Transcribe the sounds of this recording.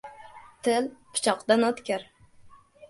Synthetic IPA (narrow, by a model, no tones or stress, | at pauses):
t̪ʰɪlpʰʊ̥t͡ʃʰɒqd̪anɒt̪kʲaɾ